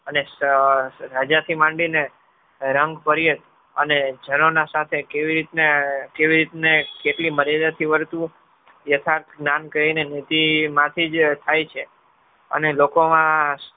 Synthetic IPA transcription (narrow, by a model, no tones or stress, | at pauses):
ənes | ɾad͡ʒat̪ʰimãɳɖine | ɾəŋɡpəɾijət̪ | əned͡ʒənonasat̪ʰekeʋiɾit̪nekeʋiɾit̪nekeʈliməɾjad̪at̪ʰiʋəɾt̪ũ | jət̪ʰaɾt̪ʰɡnankəɦinenit̪imãt̪ʰid͡ʒt̪ʰajt͡ʃʰe | ə̰nelokomã